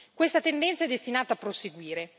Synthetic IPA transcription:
kwest̪at̪end̪ɛnt̪saɛd̪ːest̪inaːt̪aːpːɾoseɡwiːɾe

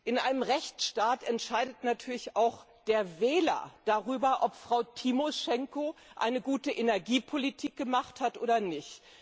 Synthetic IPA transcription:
ʔɪnʔaɪnəmʁɛçt͡sʃtaːtɛntʃaɪdətnatʰyːɐlɪçaʊx | d̥eːɐvɛːlɐ̰d̥aʁyːbɐʔɔpfʁ̥aʊtʰimoʃɛŋkoʔa̰ɪnəɡuːtəʔenɛɐɡiːpʰolitʰiːk̚ɡ̥əmaχthatʔo̰ːdɐnɪçt

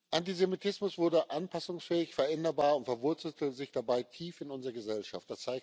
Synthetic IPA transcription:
ʔantizemitʰɪsmʊsv̥ʊɐdəʔanpʰasʊŋsfɛːɪçfɛɐʔɛndɐbaːɐʊntfɛɐvʊɐt͡sl̩tʰəzɪçd̥abaɪtʰiːfɪnʊnzəʁəɡəzɛlʃa̰ftd̥ast͡saɪk

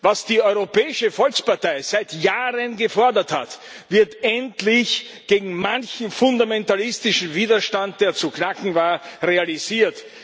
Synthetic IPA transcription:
vasd̥iːɔʏʁopɛːɪʃəfɔlkspaɐtaɪz̥æɪtjaːʁənɡəfɔɐdɐtha̰t | vɪɐtɛntlɪç | ɡ̥eːɡŋ̩mançm̩fʊndamɛntalɪstɪʃn̩viːdɐʃtant̚d̥eːɐt͡suknakŋ̩vaːɐʁealiziːɐt

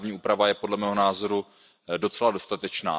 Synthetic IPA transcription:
vɲiːʔuːpɾavajɛpo̞dlɛmɛːɦo̞naːzo̞ɾu | do̞t͡sɛlado̞st̪at̪ɛt͡ʃna̰ː

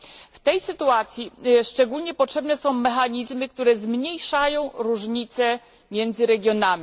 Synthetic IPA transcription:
ft̪ɛjsɘt̪uat̪sʲjiʂt͡ʂɛɡulɲɛpɔtʂɛbnɛsɔ̃w̃mɛxaɲizmɘk̚t̪uɾɛzmɲejʂajɔ̃w̃ɾuʐɲit̪sɛ | mʲjɛnd̪zɘɾɛɡʲjɔnamʲi

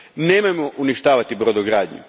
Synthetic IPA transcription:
neːmamoʔuniʃt̪aːʋat̪ibɾod̪oɡɾaːd̪ɲṵ

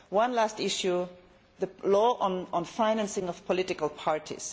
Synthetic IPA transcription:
wʌ̃nlæstɪʃju | ðəlɔʔɔ̃nɔ̃nfãɪ̃næ̃nsɪ̃ŋɔv̥pʰɔlɪtɪkəlˠpʰaɹtʰḭz̥

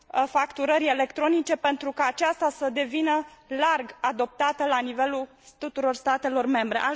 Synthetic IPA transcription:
fakt̪uɾəɾʲe̞le̞kt̪ɾo̞nit͡ʃe̞pe̞nt̪ɾukaːt͡ʃast̪asəd̪e̞vinəlarɡad̪o̞p̚t̪at̪əlanive̞lu | t̪ut̪uɾo̞rst̪at̪e̞lo̞rme̞mbɾe̞̰ʔa

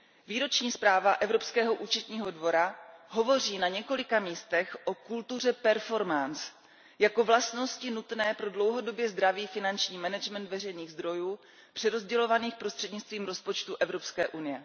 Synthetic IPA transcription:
viːɾo̞t͡ʃɲiːspɾaːvaʔɛvɾo̞pskɛːɦo̞ʔuːt͡ʃɛt̪ɲiːɦo̞dvo̞ɾaɦo̞vo̞r̝iːnaɲɛko̞lɪkamiːst̪ɛxʔo̞kult̪ur̝ɛpɛɾfo̞ɾmans | jako̞vlast̪no̞scɪnut̪nɛːpɾo̞dlo̞wɦo̞do̞bjɛzd̪ɾaviːfɪnant͡ʃɲiːmɛnɛd͡ʒmɛnt̪vɛrɛjniːɣzd̪ɾo̞juː | pr̥ɛɾo̞zɟɛlo̞vaniːxpɾo̞st̪r̝̥ɛdɲɪt͡st̪viːmɾo̞spo̞t͡ʃt̪uʔɛvɾo̞pskɛːʔunɪjɛ

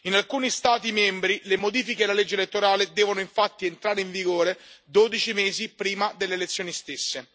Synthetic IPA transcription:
inalkuːnist̪aːt̪imɛmbɾilemod̪iːfikelːaled͡ʒːelet̪ːoɾaːled̪ɛːvonoiɱfat̪ːient̪ɾaːɾeiɱviɡoːɾed̪oːd̪it͡ʃimeːzipɾiːmad̪elːeːlet̪sːjoːnist̪esːe

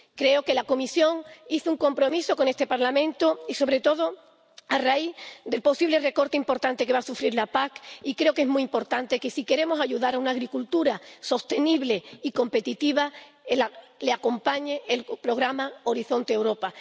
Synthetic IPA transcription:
kɾe̞oke̞lako̞misjo̞ŋiθuŋko̞mpɾo̞miso̞ko̞ne̞st̪e̞paɾlamẽ̞nt̪oiso̞βɾe̞t̪o̞ð̞o̞ | araid̪e̞lpo̞siβle̞re̞ko̞ɾt̪eimpo̞ɾt̪ant̪ekeβasufɾiɾlapakikɾe̞o̞ke̞zmuiimpo̞ɾt̪ant̪e̞kesike̞ɾe̞mosaʝuðaɾaunaːɣɾikult̪uɾaso̞st̪e̞niβle̞iko̞mpe̞t̪it̪iβa | elaleako̞mpaɲeelpɾo̞ɣɾamao̞ɾiθo̞nt̪eeːwɾo̞pa

